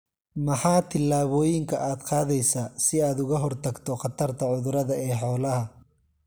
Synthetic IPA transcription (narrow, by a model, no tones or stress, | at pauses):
mɐħɑːt̪ʰɪlːaːβɔːjɪŋkʰɐʔaːd̪qɑːðɛjsaːsɪaːd̪ʊɣɐɦɔrt̪ʰɐɡt̪ʰɔqɑt̪ʰɐrt̪ʰɐʕʊðʊɾɐðɐɛːħɔːlɐɦɐ